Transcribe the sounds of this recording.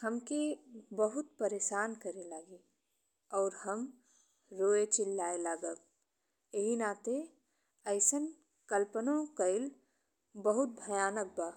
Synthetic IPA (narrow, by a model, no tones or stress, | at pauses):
həmkebəɦʊt̪̚pəɾeːʃaːnkəɾelaːɡe | ɔːɾhəm | ɾoːet͡ʃɪlːaelaːɡək̚ | eɦinat̪e | əɪsən | kəlpənõkəɪl | bəɦʊt̪̚bʱəjaːnək̚ba